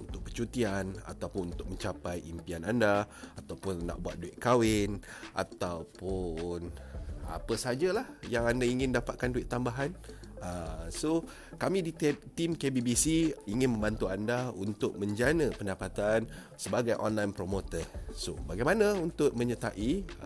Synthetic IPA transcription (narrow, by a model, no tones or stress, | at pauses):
unt̪ʊk̚pət͡ʃut̪iana̰t̪awpʊnunt̪ʊk̚məɲt͡ʃapajʔimpianandaat̪awpʊnːã̰ʔbua̰t̪̚duɪʔ̪̚kawɪnʔa̰t̪awpʊna̰pəsad͡ʒalahjaŋandaiŋɪ̃ndapat̪̚kanduɪʔ̚t̪ːambaɦanəso | kamĩdit̪t̪imkebibisiiŋɪ̃nmə̃mbant̪uandaunt̪ʊk̚mə̃ɲd͡ʒanə̃pəndapat̪an | səbaɡajʔɔ̰nlajnpɾomot̪ərso̰baɡajmãnãunt̪ʊʔ̚mə̃ɲət̪aʔi